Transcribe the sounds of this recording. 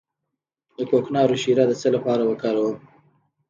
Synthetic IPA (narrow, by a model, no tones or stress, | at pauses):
d̪əkoknɑɾoʃiɾad̪ət͡səlapɑɾawəkɑɾawəm